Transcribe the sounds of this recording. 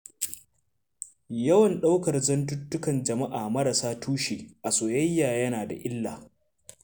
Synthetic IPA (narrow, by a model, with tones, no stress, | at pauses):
jɐ˦wɐ˨nɗa˦wkɐ˨rzɐ˦ntʊ˦tːʊ˦kɐ˨nd͡ʒɐ˨ma˦ʔaː˨mɐ˦ɽa˨saː˦tuː˦ʃeː˨ʔa˨soː˨jɐ˦jːaː˨jɐ˦naː˨da̰˨ʔɪ˦lːaː˨